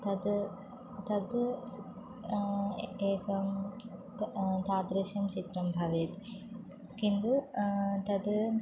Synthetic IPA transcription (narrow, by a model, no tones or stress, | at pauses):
t̪ɐd̪ | t̪ɐd̪ | eːkɐ | t̪aːd̪ɾɐʃjɐmt͡ʃit̪ɾɐmbʱɐʋeːt̪ | kind̪ut̪ɐd̪